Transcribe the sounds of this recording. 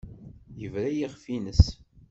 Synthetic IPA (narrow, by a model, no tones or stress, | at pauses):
jəvɾæjiʁfinəs